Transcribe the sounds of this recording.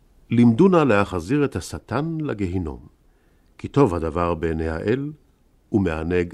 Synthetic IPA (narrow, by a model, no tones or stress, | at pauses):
limdunalehaχaziʁethasatanlaɡeɦino̞̰m | kito̞vhadavaʁbeneha̰ʔel | umeaneɡ